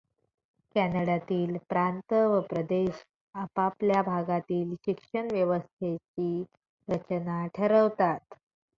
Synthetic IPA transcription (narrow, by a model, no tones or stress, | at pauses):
kænəɽat̪iːlpɾant̪əʋəpɾəd̪eɕ | əpapljabʱaɡat̪iːlɕikʂəɳʋjəʋəst̪ʰet͡ɕiː | ɾət͡ɕnaʈʰəɾəʋt̪at̪